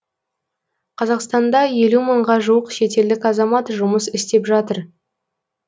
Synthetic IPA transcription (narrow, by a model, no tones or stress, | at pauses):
qʰɑzɑqst̪ɑnd̪ɑje̞luməɴʁɑʒuəqʃe̞t̪e̞ld̪ɪkʲɑzɑmɑt̪ʒʊməsɪst̪e̞pʒɑt̪əɾ